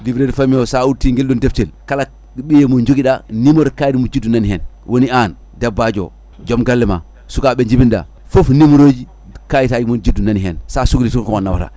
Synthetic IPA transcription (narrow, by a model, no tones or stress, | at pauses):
livɾeɾfamijosautiŋɡelɗondeftelkala | ɓijemond͡ʒoɡiɗanimoɾkajidimod͡ʒidːunanihɛn | wonian | dabːad͡ʒo̰ | d͡ʒomɡalːɛma̰ | sukaɓeɲd͡ʒibinda̰ | fofnimoɾod͡ʒi | kajitad͡ʒimond͡ʒidunaniɦensasuɡɾitukkomanːawa̰ta̰